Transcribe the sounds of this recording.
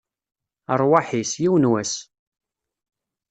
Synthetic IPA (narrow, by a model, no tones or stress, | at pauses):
əɾˤwaħisjiwənwæs